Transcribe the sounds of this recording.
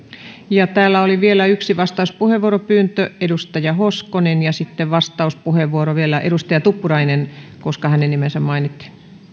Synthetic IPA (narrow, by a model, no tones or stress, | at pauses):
jɑt̪æːlːæoliʋielæyksiʋɑst̪ɑuspuheʋʋuoɾopyːnt̪øedust̪ɑjɑhoskonenjɑsit̪ːeʋʋɑst̪ɑuspuheʋʋuoɾoʋielæʔedust̪ɑjɑt̪upːuɾɑinenkoskɑhænenimensæmmɑinit̪ːi̥